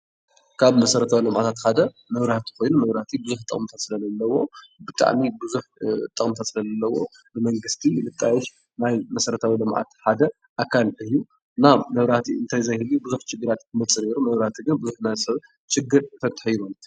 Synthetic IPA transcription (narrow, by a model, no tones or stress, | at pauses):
kʰaβmɐsɐɾɐt̪ʰawilɐmʕat̪ʰat̪ħad̪ɐ | mɐβɾat̪ʰi̥ko̞jnumɐβɾaht̪ʰibɨzuħt̪ʼɐ̰χʼmt̪ʰat̪sɨlɐzɐlːɐwo̞bɨt̪ʰʼa̰ʕmibɨzuħt̪ʼɐkʼmt̪ʰat̪sɨlɐzɐlːɐwo̞ | nɨmɐŋɡɨst̪ʰilɨt̪ʼːajɛʃ | najmɐsɐɾɐt̪ʰawilɐmʕʔa̰t̪ħad̪ɐ | ʔakʰalʔɨjːu | ɨnamɐβɾat̪ʰiɨnt̪ʰajzɐjhɨlubɨzuħt͡ʃɪɡːɨɾat̪kʰɨmɐt͡sʼːɨneɾumɐβɾat̪ʰiɡɨnbɨzuħnazsɐβ | t͡ʃɪɡːɨɾfʰɐt̪ʼħujβɐlt̪